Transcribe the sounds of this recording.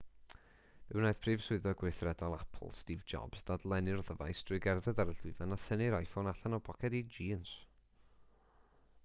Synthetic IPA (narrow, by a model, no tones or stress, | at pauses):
v̥ɪwnajθpʰriːv̥sʊɨðɔɡweɨθrɛdɔlˠapʰl̩ˠstiːvd͡ʒɔ̰b̥z̥dadlˠɛnɪrðəva̰jsd̥rʊɨɡɛrðədaɾəɬɪvanaθənɪɾajfonaɬanɔpʰɔkʰɛdid͡ʒiːns